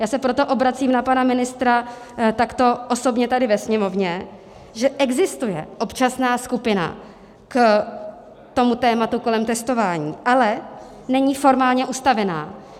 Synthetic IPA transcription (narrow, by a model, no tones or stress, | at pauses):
jaːsɛpɾo̞t̪o̞ʔo̞bɾat͡siːmnapanamɪnɪst̪ɾa | t̪akt̪o̞ʔoso̞bɲɛt̪adɪvɛsɲɛmo̞vɲɛ | ʒɛʔɛɡzɪst̪ujɛ̰ʔo̞pt͡ʃasnaːskupɪna̰ | k | t̪o̞mut̪ɛːmat̪uko̞lɛmt̪ɛst̪o̞vaːɲiːʔalɛ | nɛɲiːfo̞ɾmaːlɲɛʔust̪avɛna̰ː